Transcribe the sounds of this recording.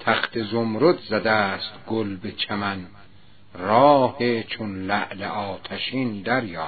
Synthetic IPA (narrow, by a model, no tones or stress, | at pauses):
t̪ʰæxt̪ʰezomɾod̪zæd̪æst̪ɡolbet͡ʃʰæmæn | rɒːhet͡ʃʰonlæʔleʔɒːt̪ʰæʃiːnd̪æɾjɒː